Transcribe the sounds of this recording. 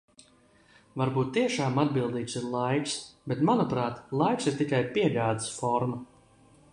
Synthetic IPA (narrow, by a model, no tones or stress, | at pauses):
vaɾbuːt̪ːiɛʃaːmad̪̚bilˠd̪iːt̪siɾlˠajksbet̪manupɾaːt̪lˠajksiɾt̪ikajpiɛʎʲaːd̪ɨ̥sfɔɾma